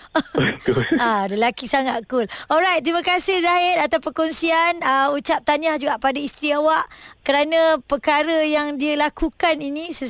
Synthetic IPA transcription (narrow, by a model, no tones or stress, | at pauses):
ət̪ʊaləlakisaŋat̪̚kʊlɔlɾajt̪t̪ːɾimãkasɪhzaɦɪɾat̪apəkɔnsianəut͡ʃap̚t̪aɲahd͡ʒuɡaʔpadaist̪ɾiawaʔkəɾanãpərkaɾəjaŋdialakukaninĩsə